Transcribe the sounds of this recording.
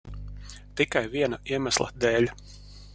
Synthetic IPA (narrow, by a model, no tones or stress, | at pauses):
t̪ikajviɛnaiɛmæslˠɐ̰d̪eːlʲ